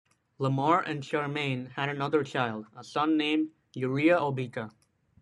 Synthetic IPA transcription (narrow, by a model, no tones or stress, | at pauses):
ləmɔɹʔɨ̰̃nʃaɹmẽɪ̃nhɨɾɨnʌðə˞t͡ʃʰaɪlˠdəsʌ̃nːẽɪ̃md | juɹiəʔobikʰə